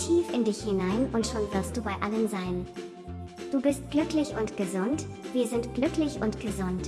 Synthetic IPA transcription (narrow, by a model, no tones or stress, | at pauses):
tʰiːfɪndɪçhɪnaɪnʊntʃoːnvɪɐstd̥uːbaɪʔaləmzaɪn | d̥uːbɪst̚ɡ̥lʏklɪçʊntɡ̥əzʊntv̥iːɐzɪntɡ̥lʏklɪçʊntɡ̥əzʊnt